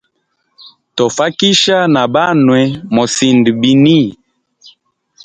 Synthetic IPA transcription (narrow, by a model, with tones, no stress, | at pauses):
to˨fa˦ki˦ʃa˦na˨ba˦nwɛ˨mo˨si˨ndi˨bi˨ni˦